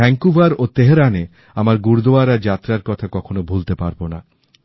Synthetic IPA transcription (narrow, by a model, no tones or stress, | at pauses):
ɛŋkubaɾot̪eɦeɾane | amaɾɡuɾd̪oaɾaɾd͡ʑat̪ːɾaɾkɔt̪ʰakɔkʰonobʱult̪epaɾbona